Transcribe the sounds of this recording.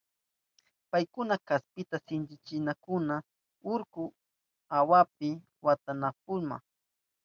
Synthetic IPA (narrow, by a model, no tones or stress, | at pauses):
pajkʊnakaspɪt̪asɪnt͡ʃɪt͡ʃɪnakʊna | ʊɾkʊ | awap̚ɪ | wat̪anap̚ʊlma̰ŋ